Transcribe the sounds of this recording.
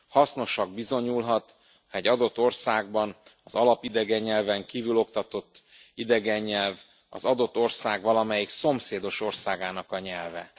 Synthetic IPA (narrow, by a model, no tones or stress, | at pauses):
hɒsno̞ʃɒɡ̚bizo̞ɲulɦɒt̪ | ɛɟːɒd̪o̞t̪ːo̞rsaːɡbɒnɒzɒlɒpid̪ɛɡɛɲːɛlvɛŋkiːvylo̞kt̪ɒt̪o̞t̪ː | id̪ɛɡɛɲːɛlv | ɒ̰zɒd̪o̞t̪ːo̞rsaːɡvɒlɒmɛjikso̞mseːd̪o̞ʃo̞rsaːɡaːnɒkɒɲɛlvɛ̰